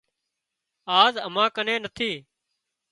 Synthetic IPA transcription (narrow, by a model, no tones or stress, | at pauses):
aːzəmãːkəneːnət̪ʰiː